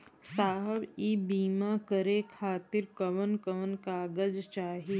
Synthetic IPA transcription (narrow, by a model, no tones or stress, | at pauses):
saːɦəbiːbiːmakəɾekʰaːt̪ɪɾkəʋənkəʋənkaːɡəd͡ʒt͡ʃaːɦiː